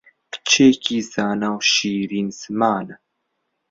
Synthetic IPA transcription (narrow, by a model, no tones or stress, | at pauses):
kt͡ʃʰeːkiːzaːnawʃiːɾiːnzmaːna